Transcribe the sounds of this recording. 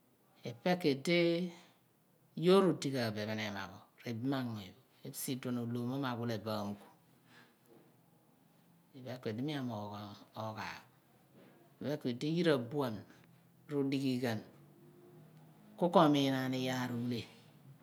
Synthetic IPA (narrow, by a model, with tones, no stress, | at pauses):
e˨pe˦kːe˨de˦ | jo˦ɾu˨di˦ka˨be˨βe˨ne˨ma̰˨ɡo˨ɾe˨bma˦ŋe˨be˦si˦do˨no˨lo˨ma˦ma˨ɡu˦le˨ba˨m˨ku̥˨ | e˨be˦kʷe˨di˦mi˦a˨mo˨o˨ka̰˨ | e˨be˦kːe˨de˦ji˦ɾa˨bu˦a˨n | ɾu˦di˦ki˦ɡe˨n | ku˦ko˦˨mi˨na˨ni˦ja˦˨ɾu˨˦le˨